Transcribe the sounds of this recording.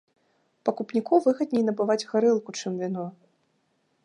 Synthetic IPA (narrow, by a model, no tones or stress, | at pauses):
pɐkupnʲikɔvɨɣɐd̪̚nʲɛjnɐbɨvad͡zʲɣaɾɨlˠkut͡ʂɨmvʲinɔ